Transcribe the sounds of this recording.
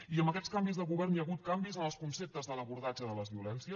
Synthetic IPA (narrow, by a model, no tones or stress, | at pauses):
iəmbəkɛt͡skambizðəɣuβɛɾnjəɣut̪̚kambizənəlˠskunsep̚t̪əzðələβuɾðad͡ʒəðələzβiulɛnsiə